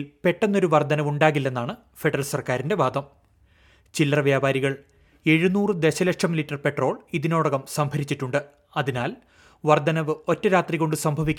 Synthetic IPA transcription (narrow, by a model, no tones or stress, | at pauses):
lpe̞ʈːenːo̞ɾuʋɐrd̪ʱɐnɐʋuɳɖaːɣilːenːaːɳɨ | fe̞ɖɐrɐlsɐrkaːɾinde̞ʋaːd̪ʱɐm | t͡ɕilːɐrɐʋjaːbaːɾiɣɐɭ | e̞ɻunuːrɨd̪eɕɐlɐʂʰɐmilitːɐrpe̞ʈro̞ːɭiðino̞ːɽɐɣɐmsɐmbʱɐɾit͡ɕːiʈːuɳɖɨ | ɐðinaːl | ʋɐrd̪ʱɐnɐʋɨo̞tːɐɾaːt̪riɣo̞ɳɖɨsɐmbʱɐʋikʲː